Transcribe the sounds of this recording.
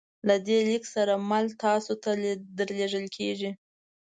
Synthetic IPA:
lad̪eliksaɾamalt̪ɑsot̪ad̪əɾleʐəlkʰeʒi

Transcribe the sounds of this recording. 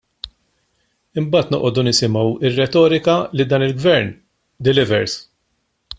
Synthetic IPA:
ɪmbɐːt̪nɔʔɔd̪unɪsɪmɐwɪrːɛt̪ɔːɾɪkɐlɪd̪ɐːnɪlɡvɛɾn | d̪ɪlɪvɛɾs

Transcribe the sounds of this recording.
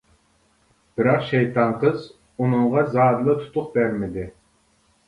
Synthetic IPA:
b̥ɪɾɑqʃejt̪ʰɑnqʰəz | unɨŋʁɑzɑːd̪lˠɨt̪ʰu̥t̪ʰʊqbæɾmɪd̪ɪ

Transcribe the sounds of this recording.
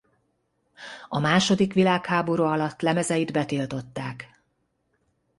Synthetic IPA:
ɒmaːʃo̞d̪ikʋilaːkhaːbo̞ɾuːɒlɒt̪ːlɛmɛzɛjid̪bɛt̪ilt̪o̞t̪ːaːk

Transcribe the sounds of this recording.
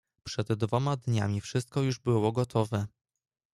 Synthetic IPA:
pʂɛd̪ːvɔmad̪ɲa̰mʲifʂɘst̪̚kɔjuʐbɘwɔɡɔt̪ʰɔvɛ

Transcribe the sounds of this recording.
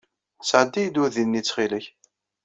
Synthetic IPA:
sʕd̪ːijd̪uðinːit͡sːχiləç

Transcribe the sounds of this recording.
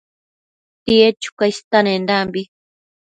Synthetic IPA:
t̪iet͡ʃu̥kast̪anẽnd̪ambi

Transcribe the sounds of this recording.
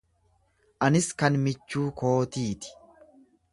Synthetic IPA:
ʔɐnɪskɐnmɪt͡ʃːuːko̞ːt̪iːt̪ɪ̥

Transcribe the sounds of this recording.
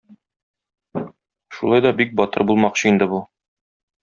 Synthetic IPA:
ʃulˠɑjd̪ɒbik̚bɒt̪ɤ̰ɾbulˠmɑqɕɤind̪ɘbu

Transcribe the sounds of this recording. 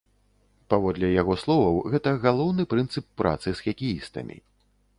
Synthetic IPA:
pavɔd̪lʲɛjaɣɔslˠɔvɐwɣɛt̪ɐɣalˠɔwnɨpɾɨnt̪sɨpːɾʔa̰t̪sɨsxɐkʲijist̪ɐ̰mʲḭ

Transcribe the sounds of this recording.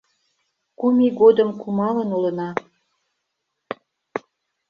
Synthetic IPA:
kumiɣod̪əmkumɑlənulə̆nɑ

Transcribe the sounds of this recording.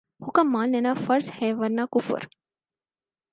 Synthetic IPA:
hʊkɐmːaːlnenaːfɐɾshɛːʋɐɾnaːkʊfṵɾ

